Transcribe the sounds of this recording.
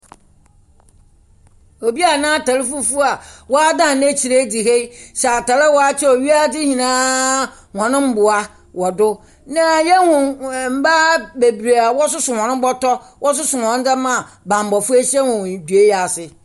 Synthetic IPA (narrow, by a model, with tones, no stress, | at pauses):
o˨bi˦a˨nãː˦ta˨lɪ˦fu˦fu˦a˨wɔ˦a˦dã˦˨nẽ˦t͡ɕʰi˨ɾe˦di˨he˦ɕɛ˨a˨ta˨lɪ˦wɔ˦a˦t͡ɕʰɛ˦o˨ɥi˦a˦˨dɪ˦hĩ˨nã˦ | hɔ̃˨nʊ̃˦m˦bʊ˨a˦ | wɔ˨dʊ˦ | nã˦jɛ˦hʊ̃˨m̩˦ba˦be˨bɾa˨wɔ˦s̬ʊ˦sʊ˨hɔ̃˨nʊ̃˦m˦bɔ˦tɔ˦ | wʔɔ˦s̬ʊ˦sʊ˨wɔ̃˨˦n̩˦da˦mã˨ | bã˨m˨bɔ˨fu˦e˦ɕɛ˦wʊ̃˨w̃du˨e˦ja˨sɪ˨